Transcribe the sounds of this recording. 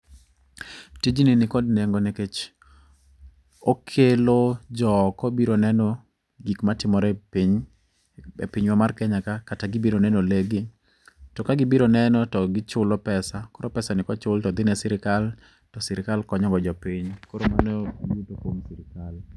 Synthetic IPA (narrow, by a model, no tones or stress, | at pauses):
tid͡ʒininɪkɔdneŋɡɔneket͡ʃ | okʰelod͡ʒɔkɔbiɾonɛnɔ | ɡikmatɪmɔɾɛpiɲ | ḛpiɲwamarkɛɲakakataɡɪbiɾonɛnɔleɡɪ | tɔkaɡɪbiɾonɛnɔtɔɡɪt͡ʃʊlɔpɛsakoɾɔpɛsanɪkɔt͡ʃʊltɔd̪ɪnɛsɪɾɪkal | tɔsɪɾɪkalkɔɲɔɡɔd͡ʒɔpiɲkoɾomanojutokwomsɪɾɪkal